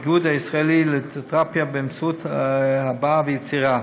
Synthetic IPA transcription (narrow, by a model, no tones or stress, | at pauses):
ɡud̪haisʁaelilet̪ʁapjabɛmt͡sut̪habavəjet͡siʁa